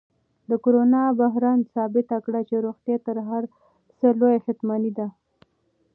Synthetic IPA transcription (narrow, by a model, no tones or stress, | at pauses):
d̪əkoɾonɑbaɦɾansɑbɪt̪akɽat͡ʃeɾoɣt̪jet̪əɾɦaɾ | səlojaxɪt̪mɑnid̪a